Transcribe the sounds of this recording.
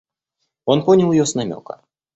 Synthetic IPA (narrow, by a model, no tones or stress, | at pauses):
ɔnpɔnʲilˠjɔsnamʲɔ̰kɐ̰